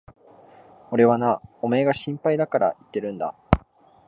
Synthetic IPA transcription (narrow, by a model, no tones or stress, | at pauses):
o̞ɾe̞βanao̞me̞ːɡaɕĩmpaid̪akaɾʔa̰it̪ːe̞ɾɯ̟̃nd̪a̰